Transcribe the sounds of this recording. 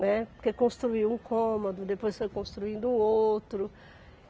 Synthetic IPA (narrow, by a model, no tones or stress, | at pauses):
ɛpkekõst̪ɾuiwũkʰõmod̪ʊd̪epojsfojkõst̪ɾuĩnd̪ʊũowt̪ɾʊ